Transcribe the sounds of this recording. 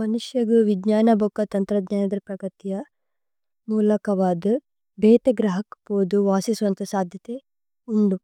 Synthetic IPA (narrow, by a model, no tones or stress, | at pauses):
mɐnuʂjɐɡuʋidɲaːnɐbʱokːɐt̪ɐnt̪ɾɐd̪ɲaːnɐd̪ɐɾpɾɐɡɐt̪ijɐ | muːlɐkɐʋaːd̪ɐ | bʱeːt̪eɡɾɐɦɐkpoːd̪uʋaːsisuʋɐnt̪ɐsaːd̪ʱjɐt̪e | uɳɖu